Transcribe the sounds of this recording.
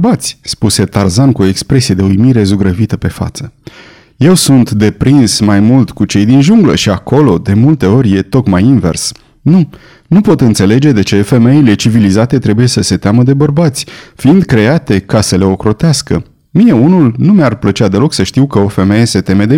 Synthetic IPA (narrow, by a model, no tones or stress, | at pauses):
bat̪sʲspuse̞t̪arzankuo̞e̞kspɾe̞sie̞d̪eujmiɾe̞zuɡɾəvit̪əpe̞fa̰t̪sə | je̞wsunt̪d̪e̞pɾinsmajmult̪kut͡ʃe̞jd̪inʒuŋɡlə̰ʃiako̞lo̞d̪e̞mult̪e̞o̞ɾʲje̞t̪o̞kmajinve̞̰rs | nu | nupo̞t̪ɨnt̪se̞le̞d͡ʒe̞d̪e̞t͡ʃe̞fe̞me̞ile̞t͡ʃivilizat̪e̞t̪ɾe̞buje̞səse̞t̪eaməd̪e̞bərbat̪sʲfiind̪̚kɾe̞at̪e̞kasəle̞o̞kɾo̞t̪easkə | mije̞unulnumearplət͡ʃead̪e̞lo̞ksəʃt̪iwkəo̞fe̞me̞je̞se̞t̪e̞me̞d̪e